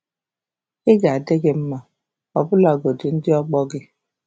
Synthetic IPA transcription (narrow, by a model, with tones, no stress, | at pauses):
ɪ˦ɡa˨a˨dɪ˦ɡɪ˦m̩˦ma˨ | ɔ˨bʊ˦la˨ɡo˨dɪ˨n̩˦dɪ˦ɔ˦ɡ͡bɔ˦ɡɪ˦